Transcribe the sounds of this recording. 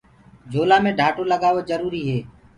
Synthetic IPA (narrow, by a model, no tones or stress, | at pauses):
d͡ʒʱoːlaːmẽːɖʱaːʈoːləɠaːʋoːzəɾuːɾiːɦeː